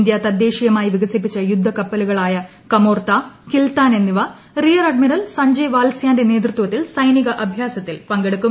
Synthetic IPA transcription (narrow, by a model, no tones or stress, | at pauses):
nd̪jat̪ɐd̪je̞ːʂijɐmaːjiʋiɡɐsipːit͡ɕːɐjud̪ʱːɐkɐpːɐluɣɐɭaːjɐ | kɐmo̞ːrt̪aːkilt̪aːnenːiʋɐ | rijɐɾɐɖ̚miɾɐlsɐɲd͡ʑɐjʋaːlsjaːnde̞ne̞ːt̪rɨt̪ːwɐt̪ːilsɐjniɣɐʔɐbʱjaːsɐt̪ːilpɐŋɡeɽukːu